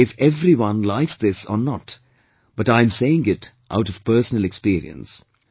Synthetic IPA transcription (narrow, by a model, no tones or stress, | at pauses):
ɪfɛvɾiwʌ̃nlaɪksd̪ɪsɔ̰nɔt | b̥ʌʈãɪ̃mseɪɪ̃ŋɪt | ʔa̰ʊʈʌv̥pɜ˞sənəlɛkspiːɾḭə̰̃ns